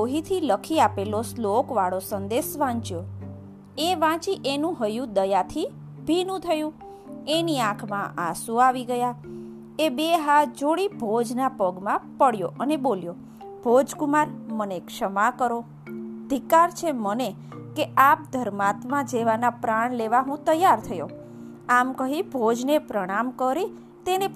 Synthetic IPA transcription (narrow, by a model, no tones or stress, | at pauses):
oɦit̪ʰiləkʰiapeloslokʋaɭosənd̪esʋãt͡ʃjo | eʋãt͡ʃiʔenũɦəjũd̪əjat̪ʰi | bʱinũt̪ʰəjũ | eniãkʰmãʔasũaʋiɡəja | ebeɦad͡ʒoɽibʱod͡ʒnapəɡmãpəɽjo̰ʔəneboljo | b̥ʱod͡ʒkumaɾmənekʃəmakəɾo | d̪ʱikaɾt͡ʃʰeməne | keap̚d̪ʱəɾmat̪mãd͡ʒeʋanapɾaɳleʋaɦũt̪əjːaɾt̪ʰəjo̰ | amkəɦibʱod͡ʒnepɾəɽ̃amkəɾi | t̪ene